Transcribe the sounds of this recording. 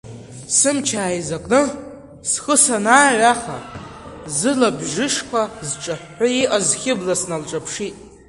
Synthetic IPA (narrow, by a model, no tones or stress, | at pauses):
sɨmt͡ʃʰaːjzakʷʼnɨ | sχəsanaːʕʷaχa̰ | zɨlabʒɪʂkʷʰazʈ͡ʂʼaħːaiʔazχʲɪblasnalʈ͡ʂʼapʰʂitʼ